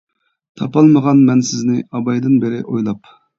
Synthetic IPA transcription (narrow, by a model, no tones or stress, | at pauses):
t̪ʰɑpɑlˠməʁɑnmɛnsɪznɪɑbɑjd̪ɨnbɪɾɪʔojlˠɑp